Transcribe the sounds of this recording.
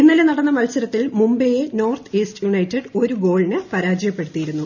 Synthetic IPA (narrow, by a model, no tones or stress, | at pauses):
inːɐlenɐɽɐnːɐmɐlsɐɾɐt̪ːilmumbejeno̞ːrt̪ʰɨeːstjuɳɐjtːeɖo̞ɾuɡo̞ːɭinɨpɐɾaːd͡ʑɐjɐpːe̞ɽut̪ːijiɾunːu